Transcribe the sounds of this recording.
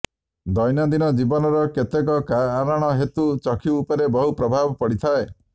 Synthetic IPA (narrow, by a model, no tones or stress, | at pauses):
d̪ɔjnɔd̪inɔd͡ʒibɔnɔɾɔket̪ekɔkaːɾaɽ̃ɔɦet̪ut͡ʃɔkʰiːpɔɾebɔɦupɾɔbʱabɔpɔɽit̪ʰae